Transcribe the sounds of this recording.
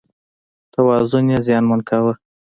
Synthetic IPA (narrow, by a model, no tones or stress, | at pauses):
t̪awɑzʊnjezjɑnmʊnkʰawə